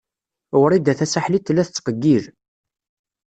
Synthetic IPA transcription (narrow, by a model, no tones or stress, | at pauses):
wɾˤid̪æθæsaħlit̪ːlːæθt͡sːqəɡːið